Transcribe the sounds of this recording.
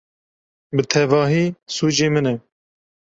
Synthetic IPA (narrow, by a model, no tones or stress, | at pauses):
bɨt̪ʰɛvɑːɦiːsuːd͡ʒeːmɨnɛ